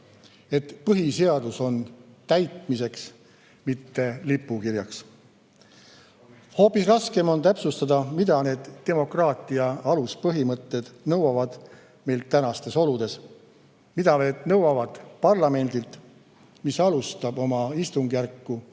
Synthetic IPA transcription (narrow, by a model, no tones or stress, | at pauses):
e̞t̪pɤɦise̞ɑd̪̥uso̞nt̪æjt̪mise̞ks | mit̪ːe̞lipːˑukiɾjɑks | ho̞ːpːˑisrɑske̞mo̞nt̪æpsust̪ɑd̪̥ɑmid̪̥ɑne̞ːd̪̥ːe̞mo̞krɑːt̪ˑiɑɑluspɤɦimɤt̪ːe̞d̪̥nɤwɑvɑd̪̥ | me̞jlt̪t̪ːænɑst̪e̞so̞lud̪̥e̞s | mid̪̥ɑne̞ːd̪̥nɤwɑvɑd̪̥pɑrlɑme̞nd̪̥ilt̪ | misɑlust̪ɑbo̞mɑist̪uŋɡ̥jærkːu